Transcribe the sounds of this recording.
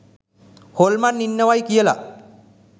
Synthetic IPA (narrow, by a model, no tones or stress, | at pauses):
holmanːinːəwajkijəla̰